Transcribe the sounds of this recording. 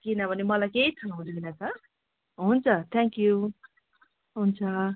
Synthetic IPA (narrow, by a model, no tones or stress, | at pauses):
kinʌbʱʌnemʌlajkeit͡sʰʌɦũd̪ilat͡sʌ | ɦunt͡sʰʌt̪ʰɛ̃ŋkju | ɦunt͡sʰʌ